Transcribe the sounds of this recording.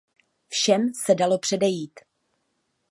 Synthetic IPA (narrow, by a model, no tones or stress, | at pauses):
fʃɛmsɛdalo̞pr̝̥ɛdɛjiːt̪